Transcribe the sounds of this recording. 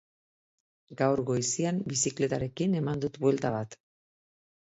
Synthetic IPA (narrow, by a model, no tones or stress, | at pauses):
ɡawɾɣo̞isiambisikle̞t̪aɾe̞kine̞mand̪ut̪bwe̞lt̪aβat̪